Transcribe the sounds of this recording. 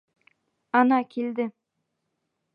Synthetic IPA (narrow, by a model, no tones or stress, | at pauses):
ɑnɑkʲʰeld̪ɪ